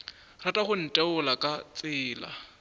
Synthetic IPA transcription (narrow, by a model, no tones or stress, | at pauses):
ratʼaχʊn̩tʼɛʊlakʼat͡sʼɪːla̰